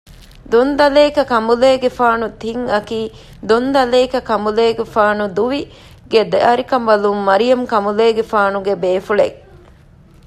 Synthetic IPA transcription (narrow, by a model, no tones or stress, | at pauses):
d̪ond̪ɐleːkɐkɐmuleːɡefaːnut̪iŋɐkiː | d̪ond̪ɐleːkɐkɐmuleːɡefaːnud̪uʋi | ɡed̪eɐɾikɐmʋɐlumːɐɾijɐmkɐmuleːɡefaːnuɡebeːfuɭe